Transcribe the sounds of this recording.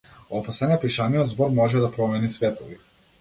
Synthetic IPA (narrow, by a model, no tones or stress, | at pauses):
ɔpasɛnɛpiʃaniɔd̪zbɔɾmɔʒɛd̪apɾɔmɛnisvɛt̪ɔvi